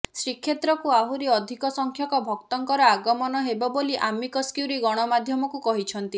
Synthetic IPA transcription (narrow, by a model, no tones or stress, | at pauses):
sɾikʰjet̪ɾɔkuaɦuɾiɔd̪ʱikɔsɔŋkʰjɔkɔbʱɔk̚t̪ɔŋkɔɾɔaɡɔmɔnɔɦebɔboliʔamikɔskiuɾiɡɔɽ̃ɔmad̪ʱjɔmɔkukɔɦit͡ʃʰɔnt̪i